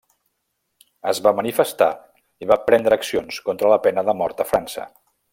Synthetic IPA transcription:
əzβamənifəst̪a̰ | iβapɾɛnd̪ɾəːksionskont̪ɾələpɛnəðəmɔɾt̪əfɾansə̰

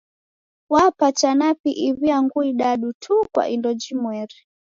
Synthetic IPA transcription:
wapat͡ʃanapiʔiβiaŋɡuiɗaɗutʰukwa̰ʔindɔd͡ʒimwɛɾɛ

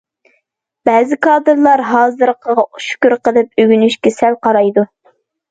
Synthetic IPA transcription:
b̥ɛːzɪkʰɑːd̪ɨɾlˠɑɾɦɑːzɨɾqʰɑʃy̥kʲyɾqəlˠɨp̚yɡʲynyʃkʲɛsɛlqɑɾɑjd̪u

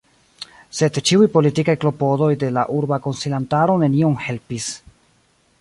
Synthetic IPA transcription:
se̞dt͡ʃiujpo̞litikajklo̞po̞do̞jde̞laʔuɾbako̞nsilantaɾo̞ne̞nioŋhe̞lpis

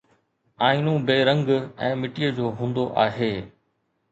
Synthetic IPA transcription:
aːɪnũbeːɾɐ̃ŋɡɛ̃ːmɪʈijəd͡ʑoːɦũːn̆d̪oʔaːɦeː

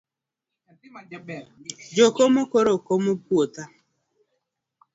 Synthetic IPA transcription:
d͡ʒokomokoɾokomopwot̪a

